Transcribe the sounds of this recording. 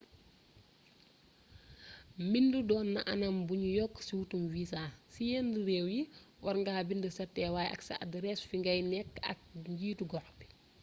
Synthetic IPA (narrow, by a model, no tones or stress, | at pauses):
mindudɔːnːɐ̰ʔɐnɐmbuɲujɔkːsiwutumviːsaːsijɛndəɾɛːwji | wɐɾŋɡaːbindəsɐtːɛwaːjɐ̰ksɐ̰ɐdɾɛsfiŋɡɐjnɛkːɐ̰k̚ɲɟiːtuɡɔxbi̥